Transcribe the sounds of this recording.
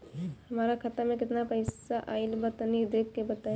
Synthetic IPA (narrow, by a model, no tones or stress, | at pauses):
hɐmaːɾakʰɐt̪amẽkɪt̪napɐɪsaʔaːɪlbɐt̪nid̪eːkʰːebɐt̪a